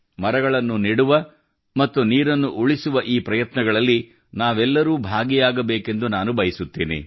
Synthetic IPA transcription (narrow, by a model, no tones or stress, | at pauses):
mɐɾɐɡɐɭɐnːuniɽuʋɐ | mɐt̪ːuniːɾɐnːuʔuɭisuʋɐʔiːpɾɐjɐt̪nɐɡɐɭɐlːi | naːʋɛlːɐɾuːbʱaːɡijaːɡɐbeːke̞nd̪unaːnubɐjisut̪ːḭːnḭ